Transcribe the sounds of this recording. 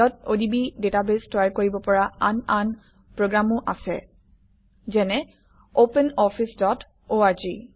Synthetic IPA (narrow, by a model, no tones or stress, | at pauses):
ɔtodibidetabestajkoɹibɔpɔɹaanan | pɹoɡɹamʊʔasɛ̰ | zɛnɛ | opɛnɔpʰisdɔt | oaɹzi